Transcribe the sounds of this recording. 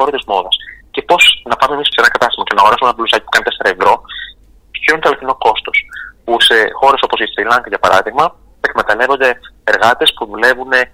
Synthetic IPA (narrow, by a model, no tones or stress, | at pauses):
oɾot̪izmo̞ðɐsce̞po̞znɐpɐmemisseenɐkɐt̪ɐst̪i̥mɐce̞nɐːɣoɾɐsumeenɐplusɐci̥pu̥kɐnet̪e̞se̞ɾɐevɾo̞ | çiɾunt̪oɐlot̪ino̞ko̞st̪o̞spuse̞xo̞ɾe̞so̞po̞sist̪ɾilɐŋkɐʝɐpɐɾɐ̰ðiɣmɐ | ekmet̪ɐle̞vond̪e̞eɾɣɐt̪e̞spuðule̞vune̞